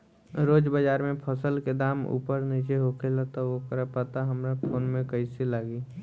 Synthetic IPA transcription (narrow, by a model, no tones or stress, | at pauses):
ɾoːd͡ʒbəd͡ʒaːɾmẽpʰɔsəlked̪aːmṵːpəɾniːt͡ʃeɦokʰelat̪aʋokəɾəpət̪aɦɐmɾapʰoːnmẽkəisilaːɡiː